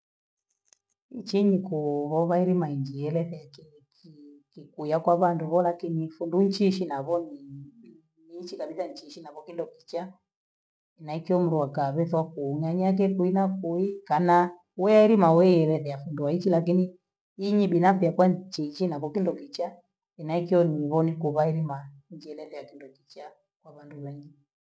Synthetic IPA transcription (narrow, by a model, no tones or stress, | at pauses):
it͡ʃiɲikuβɔβaiɾimaiɲd͡ʒijɛlɛðɛaki | kkikujakwaβanduβɔlakinifunduɲt͡ʃiʃinaβɔni | nit͡ʃikaɓitaɲt͡ʃiʃinaβɔkindɔkit͡ʃa | ɛnaikiɔm̩ɾuwakaβɛθɔkuŋaɲak̬ɛkuinakuikana | wɛaiɾimawɛjɛlɛðɛjafunduait͡ʃilakini | iɲiɓinafiakwat͡ʃiʃinaβɔkindɔkit͡ʃa | inaikiɔniβɔnikuβaiɾimaɲd͡ʒiɛlɛðɛjakindɔkit͡ʃa | kwaβanduβɛŋɡi